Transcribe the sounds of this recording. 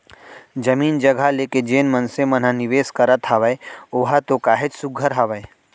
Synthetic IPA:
d͡ʒɐmiːnd͡ʒɐɡʱaleːked͡ʒeːnmɐnsemɐnaniʋeːskɐɾət̪ɦaʋəeoːɦat̪okaːɦet͡ʃsʊɡʱəɾɦaʋəe

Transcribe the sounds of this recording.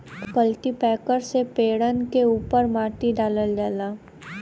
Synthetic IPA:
kəlʈipɛːkəɾsepeːɽənkeuːpəɾmaːʈiɖaːləld͡ʒaːlaː

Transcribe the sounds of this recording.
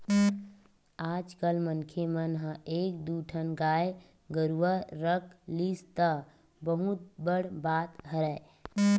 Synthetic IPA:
aːd͡ʒkəlmənkʰemənɦə̃eːk̚d̪uʈʰənɡaːj | ɡəɾuʋəːəklist̪ə | bəɦut̪̚bəɽbaːt̪ɦəɾɛ

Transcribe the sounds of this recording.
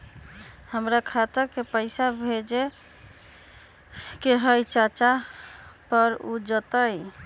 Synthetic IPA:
həmɾakʰat̪əɾkepəɪsabʱed͡ʒe | keɦəjt͡ʃat͡ʃa | pəɾṵd͡ʒət̪əj

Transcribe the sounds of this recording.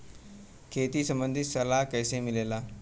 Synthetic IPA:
kʰeːt̪isɐ̃mbə̃nd̪ʱisɐlaːɦkɐɪsemɪleːlaː

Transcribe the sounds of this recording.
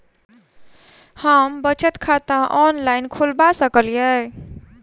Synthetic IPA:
həmbət͡ʃət̪kʰat̪ãʔɔnlajnkʰulbasəkəljɛ

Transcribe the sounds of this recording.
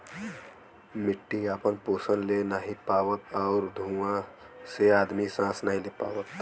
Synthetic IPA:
mɪʈːiaːpənpoːsənlenaːɦipaːʋət̪̚ɔʊɾd̪ʱũːã | seaːd̪misãːsnaɦĩlepa̰ːʋət̪

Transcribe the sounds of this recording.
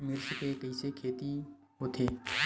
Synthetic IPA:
mɪɾskekəisekʰeːt̪iɦoːt̪ʰeː

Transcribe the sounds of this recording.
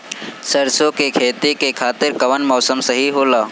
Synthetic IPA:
səɾsõkekʰeːt̪ikekʰaːt̪ɪɾkɐʋənmɔːsəmsəɦiɦoːlaː

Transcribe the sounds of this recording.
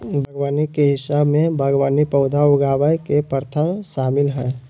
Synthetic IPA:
bʱəɡwaːnikeɦɪsaːbmẽbʱəɡwaːnipəʊd̪ʱaʊɡaːwajkepəɾt̪ʰəʃaːmɪlɦɛ̃ː

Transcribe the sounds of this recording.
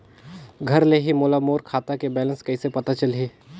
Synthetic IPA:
ɡʱɐɾleɦimoːlamoːɾkʰaːt̪akebɛːlə̃nskɐisepɐt̪at͡ʃəlɦeː

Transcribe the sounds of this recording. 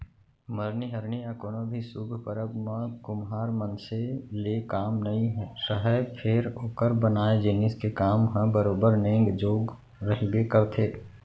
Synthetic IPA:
məɾniɦəɾniakoːnõbʱisuɡʱpəɾəbmãkʊmɦaːɾmənselekaːmnɐɦĩɦɛsəɦəepʰɪɾoːkəɾbənaːed͡ʒɪnɪskekaːmɦə̃bəɾoːbəɾnẽːŋɡd͡ʒoːɡ | ɾəɦibekəɾt̪ʰeː

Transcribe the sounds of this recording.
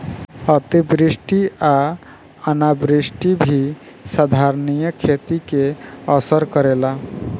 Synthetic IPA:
ət̪ibɾisʈia | ənabɾisʈibʱi | sad̪ʱaɾnijəkʰet̪ikeəsəɾkəɾela

